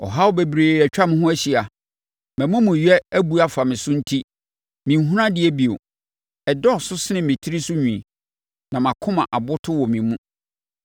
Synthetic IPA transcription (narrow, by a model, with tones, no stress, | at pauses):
ɔ̰˨ɦa˦ʊ˦be˨bɾeː˨æ˨t͡ɕᶣa˦mɪ̃˦ɦʊ̃˦æ˦ɕi˨a˨ | mæ̃˨mʊ̃˦mũ˨ɥɛ˦æ˦bu˦a˨fa˨mɪ̃˨sʊ̃˦n̩˦tʰi˦ | mĩ˨ɦũ˦ɾã˦dɪ˨ɛ˨˦bi˨o̰˨ | ɛ˨dɔ˦˨sʊ˦sɪ˦nɪ̃˨mɪ̃˨tʰi˦ɾi˦sʊ˦ɲᶣũ˨i˨ | nã˨mã˨kʰʊ̃˦mã̰˨ʔa˨bʊ˦tʰʊ˦wɔ˨mĩ˨mũ˦